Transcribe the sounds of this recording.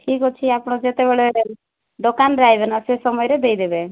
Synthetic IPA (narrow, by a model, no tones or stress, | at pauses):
ʈʰikɦot͡ʃʰiapɽ̃ɔd͡ʒet̪ebeɭeɾ | ɖokanɾajbɛnasesɔmɔjɾed̪ejd̪ebe